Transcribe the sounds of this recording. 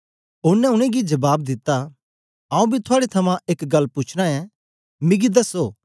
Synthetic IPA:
ʊnːɛ̃ʊɽ̃ẽɡid͡ʒɐbaːbd̪ɪt̪ːa | ãːũbʱit̪ʰʊaːɽet̪ʰɐmãʔeːkɡɐlːput͡ʃʰɽ̃ãɛ̃ | miɡid̪ɐsoː

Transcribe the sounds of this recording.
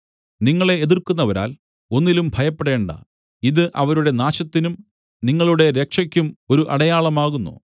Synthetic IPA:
niŋːɐɭe̞ːðirkunːɐʋɐɾa̰ːl | o̞nːilumbʱɐjɐpːe̞ɽe̞ːɳɖɐ̰ | iðɨʔɐʋɐɾuɽe̞naːɕɐt̪ːinum | niŋːɐɭuɽe̞ɾe̞kʂɐkʲːumo̞ɾuʔɐɽɐjaːɭɐmaːɣunːṵ

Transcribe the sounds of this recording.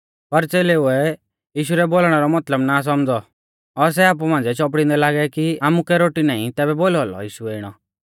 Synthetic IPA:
pɐɾt͡seːleuɛ | jiːʃ̬uɾɛboːlɽ̃ɛɾɔmɐt̪ləbnas̬ɔmd͡zɔ | ɔɾs̬ɛaːp̬umãːnd͡zɛt͡ʃɔp̬ɽĩnd̪ɛlaːɡɛkiaːmukɛɾoːʈinaːḭ̃t̪ɛːbɛboːlɔlɔ̰jiːʃuɛɪɽ̃ɔ

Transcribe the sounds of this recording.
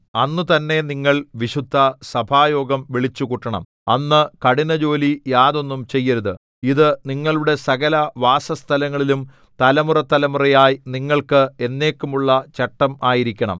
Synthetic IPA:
ɐnːut̪ɐnːe̞niŋːɐɭʋiɕud̪ʱːɐsɐbʱaːjo̞ːɡɐmʋiɭit͡ɕːukuʈːɐɳɐ̰m | ɐ̰nːɨkɐɽinɐd͡ʑo̞ːlijaːðo̞nːumt͡ɕe̞jːɐɾuðɨ̰ | iðɨniŋːɐɭuɽe̞sɐɣɐlɐʋaːsɐst̪ʰɐlɐŋːɐɭilum | t̪ɐlɐmurɐt̪ːɐlɐmurɐjaːjniŋːɐɭkɨe̞nːe̞ːkːumuɭːɐt͡ɕɐʈːɐmaːjiɾikʲːɐɳɐ̰m

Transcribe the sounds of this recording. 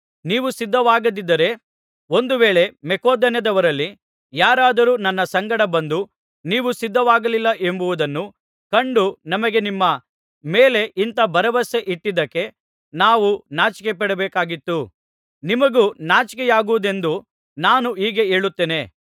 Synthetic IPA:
niːʋusid̪ʱːɐʋaːɡɐd̪id̪ːɐɾe̞ | o̞nd̪uʋeːɭe̞mɛkoːd̪ɐnjɐd̪ɐʋɐɾɐlːi | jaːɾaːd̪ɐɾuːnɐnːɐsɐŋɡɐɽɐbɐnd̪u | niːʋusid̪ʱːɐʋaːɡɐlilːɐʔe̞mbuʋud̪ɐnːu | kɐɳɖunɐmɐɡe̞nimːɐ | meːle̞ʔint̪ɐbɐɾɐʋɐse̞ʔiʈːid̪ɐkːe̞ | naːʋunaːt͡ʃi̥kep̬ɛɽɛbɛːkaːɡit̪ːu | nimɐɡuːnaːt͡ʃikɛjaːɡuʋud̪e̞nd̪u | naːnuiːɡe̞e̞ːɭut̪ːeːne̞

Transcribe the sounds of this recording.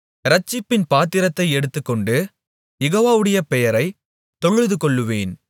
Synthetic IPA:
ɾɐt͡ʃːɪpːɪnpaːt̪ːɪɾɐt̪ːɐɪɛɽɯt̪ːɯkːɔɳɖɯ | jɛɣoːʋaːʋɯɽɐjɐpɛjɐɾɐɪ | t̪ɔɻɯðɯkɔɭːɯʋeːn

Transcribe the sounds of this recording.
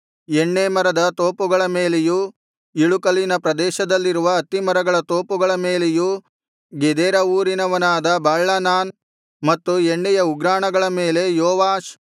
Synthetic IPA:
eɳːeːmɐɾɐd̪ɐt̪oːpuɡɐɭɐmeːleju | iɭukɐlinɐpɾɐd̪ɛːʃɐd̪ɐlːiɾuʋɐːt̪imɐɾɐɡɐɭɐt̪o̞ːpuɡɐɭɐmeːleju | ɡed̪ɛːɾɐuːɾinɐʋɐnaːd̪ɐbaːɭːɐnaːn | mɐt̪ːueɳːɛjɐuɡɾaːɳɐɡɐɭɐmeːle̞jɔːʋaːʃ

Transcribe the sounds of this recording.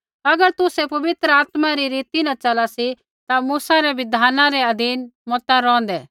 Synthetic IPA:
ɐɡəɾt̪ʊsɛpɐʋɪt̪ɾəaːt̪maɾiɾiːt̪inat͡ʃɐlasi | t̪amuːsaɾɛʋɪd̪ʱaːnãɾɛɐd̪ʱiːnmɔːt̪aɾɔ̃ːnd̪ɛ

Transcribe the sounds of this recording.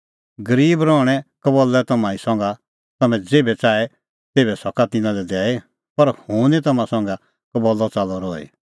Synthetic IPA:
ɡɐɾiːbɾɔːɽ̃ɛkɐbɔlːɛt̪ɐmãːĩsɔ̃ŋɡa | t̪ɐmɛ̃d͡zeːbɛt͡saːɛ | t̪eːbɛsɔkat̪ɪnãlɛd̪ɛːɛ | pɐɾhʊ̃ːnit̪ɐmãsɔ̃ŋɡa | kɐbɔlːɔt͡salɔɾɔːɛ̰

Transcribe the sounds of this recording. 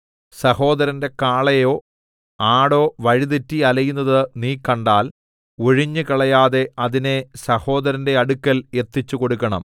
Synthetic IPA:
sɐho̞ːd̪ɐɾɐnde̞kaːɭɐjo̞ː | aːɽo̞ːʋɐɻiðitːiɐlɐjunːɐðɨniːkːɐɳɖaːl | oɻiɲːɨkɐɭɐjaːðe̞ɐðine̞sɐho̞ːd̪ɐɾɐnde̞ɐɽukːɐle̞t̪ːit͡ɕːuko̞ɽukːɐɳɐ̰m

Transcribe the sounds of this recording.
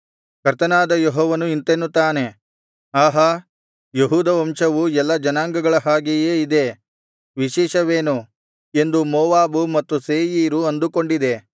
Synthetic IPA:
kɐɾt̪ɐnaːd̪ɐjeɦɔːʋɐnuint̪enːut̪aːne̞ | aːɦɐ | jeɦuːd̪ɐʋɐmʃɐʋuɛlːɐd͡ʒɐnaːŋɡɐɡɐɭɐɦaːɡejeːid̪e̞ | ʋiʃɛːʃɐʋeːnu | e̞nd̪umɔːʋaːbumɐt̪ːuseːjiːɾuɐnd̪uko̞ɳɖid̪e̞

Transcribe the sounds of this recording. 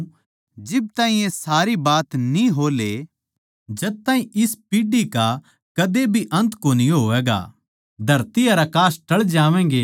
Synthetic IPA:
d͡ʒɪb̚t̪aːɦĩjẽsaːɾibaːt̪nĩɦoːle | d͡ʒɐd̪̚t̪aːɦĩʔɪspiːɖika | kɐd̪ebʱiʔɐ̃nt̪koːniɦoːʋɛːɡa̰ | d̪ʱɐɾt̪iɐɾakaːsʈɐɭd͡ʒaːʋɛ̃ːɡeː

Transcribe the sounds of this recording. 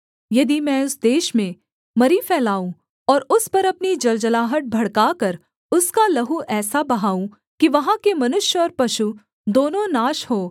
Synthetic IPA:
jɐd̪imɛ̃ːʊsd̪eːʃmẽ | mɐɾifɛːlaːũ | ɔːɾʊspɐɾɐpnid͡ʒɐld͡ʒɐlaːɦəʈ̚bʱɐɽkaːkɐɾ | ʊskalɐɦuʔɛːsabɐɦaːũ | kiʋɐɦãkemɐnʊʃjɔːɾpɐʃu | d̪oːnõnaːʃɦoː

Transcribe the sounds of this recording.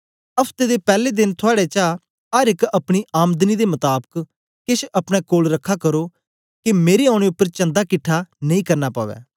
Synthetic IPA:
əpʰt̪eːd̪eːpɛːleːd̪ɪnt̪ʰʊaːɽeːt͡ʃa | əɾɪkəpɽ̃iːʔaːmd̪niːd̪eːmət̪aːbək | kɪʃʰəpɽ̃ɛːkoːlɾəkʰːaːkəɾoː | kɪmeːɾeːaːɽ̃eːʊpːəɾt͡ʃə̃nd̪aːkɪʈʰːaːnəĩːkəɾnaːpa̰ːʋɛ̰ː

